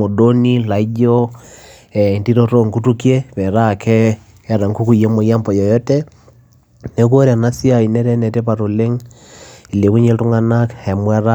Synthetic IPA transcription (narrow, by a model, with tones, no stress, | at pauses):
o˨doni˦la˨i˦ɟɔ˦ | ɛndi˦ɾo˦to˦ŋku˦tu˦kje˦βɛ˨ɾa˨kʰɛː˦ | ɾa˨ŋku˦ku˨i˨je˦mo˨ja˦mpɔ˨jɔ˨jɔ˦tɛ˦ | ne˨ko˦ɾa˨na˦si˦a˨i˨nɛ˦ɾɛ˦nɛ˨tɛ˦pa˨ɾo˨le˦ŋ | i˨le˨βu˦ɲe˦tu˦ŋa˦nakɛ˨mwɛ˦ɾa˦